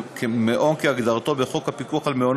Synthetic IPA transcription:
kʰemeʔo̞nkeaɡd̪aʁt̪o̞beχo̞khapikuaχalmeon

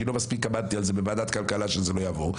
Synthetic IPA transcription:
ilo̞maspikabad̪̚t̪ialzebe̞maːd̪at̪kalkalaʃezelo̞javo̞ʁ

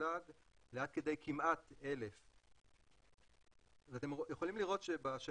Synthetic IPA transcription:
aɡ | leat̪̚ke̞d̪e̞jkimʔat̪e̞lef | veat̪emjeχo̞limliʁo̞t̪ʃebaʃa

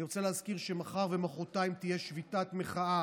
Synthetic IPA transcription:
iʁot͡seleɦazkiʁʃe̞maχaʁve̞maχo̞tajimt̪ije̞ʃvitatmeχaa

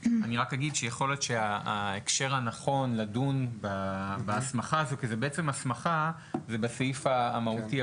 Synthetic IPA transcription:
aniʁakaɡidʃejeχo̞lot̪ʃeaːekʃe̞ʁhanaχo̞nladunbabaasmaχaːzokizebeet͡semasmaχa | zebasaifaːmauti

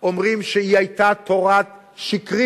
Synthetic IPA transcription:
omʁimʃeiajt̪at̪ʰoʁat | ʃikʁi

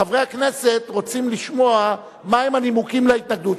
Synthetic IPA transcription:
avʁeakne̞se̞t̪ʁo̞t͡simliʃmo̞a | maemanimukimleit̪naɡ̚d̪ut

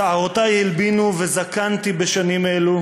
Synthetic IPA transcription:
aʁot̪ajhilbinuvezakant̪ibeʃanimelu

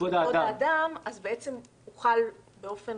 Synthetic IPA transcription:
od̪aoaaːdamazbeet͡se̞m | uχalbe̞o̞fe̞n

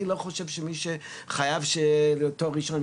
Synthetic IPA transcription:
ilo̞χo̞ʃevʃemiʃe | χajavʃeljotoʁiʃon

